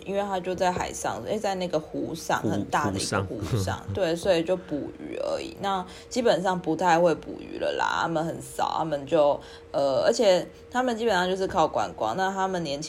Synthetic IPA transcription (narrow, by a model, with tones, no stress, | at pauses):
ʔḭ˥nwe˥˩ɪt̪ʰa˥t͡ɕjo˥˧ʊt͡sa˥˩ɪxa˨˩ɪʂɑ̰˥˧ŋ˥e˥˩t͡sa˥˧ɪna˥˩ɡə˩xu˧˥ʂɑ̰˥˩ŋxə˨˩nt̪a˥˨˩d̪ə̰˨ḭ˧˥˨xu˧˥ʂɑ̰˥˩ŋt̪we˥˩ɪswɔ˧˥i˨˩t͡ɕjo˥˩ʊpu˨˩y̰˨˩ə̰˧˥ḭ˨˩na˥˩ | t͡ɕi˥pə˨˩nʂɑ˥˩ŋpu˧˥t̪ʰa˥˧ɪxwe˥˩ɪpṵ˨˩y̰˨˩lə̰˧la̰˨˩t̪ʰa̰˥mə˨nxə˨˩˦nsɑ̰˨˩ʊt̪ʰa˥mə˨nt͡ɕjo˥˩ʊ | ə˨˩ə̰˞˧˥t͡ɕʰjɛ˨˩ | t̪ʰa˥mə˨nt͡ɕi˥pə˨˩nʂɑ˥˧t͡ɕjo˥˧ʊʂɻ̩˥˩kʰɑ˥˩ʊkwa̰˨˩nkwɑ̰˥˦ŋna˥˧t̪ʰa˥mə˨nːjɛ˧˥nt͡ɕʰ